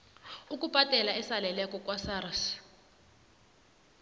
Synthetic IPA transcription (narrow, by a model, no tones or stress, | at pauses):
uk̬ʼub̥ʱatʼɛlaɛsalɛlɛkʼɔkʼwasaːɾas